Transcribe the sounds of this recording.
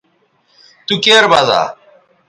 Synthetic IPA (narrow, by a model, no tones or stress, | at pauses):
t̪ukeːɾbaza̰ː